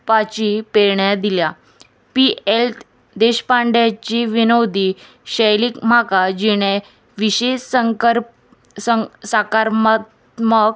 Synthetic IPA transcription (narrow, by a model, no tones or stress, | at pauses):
pat͡ɕipeɭɳjad̪ilja | pielt̪ | d̪eɕpaɳɖjat͡ɕiʋinowd̪iː | ɕəjliːkmakad͡ʑiɽ̃e | ʋiɕeɕɾ | sakaɾmt | mək